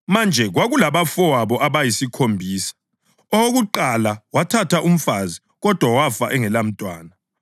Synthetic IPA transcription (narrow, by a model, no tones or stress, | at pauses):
mand͡ʒʱɛɣwaɣulaβafɔwaβɔʔaβajisikʰombʱiːsḁ | ɔoɣuǃalawatʰatʰaʔum̩fazi | ɣɔd̥ʱwawafa̰ʔɛŋɛlam̩tʼwaːna